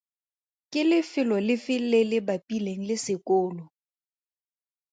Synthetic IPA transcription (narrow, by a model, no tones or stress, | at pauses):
kʼɪlɪfɪlɔlɪfɪlelɪbapʼileŋ̩lɪsɪkʼʊːlɔ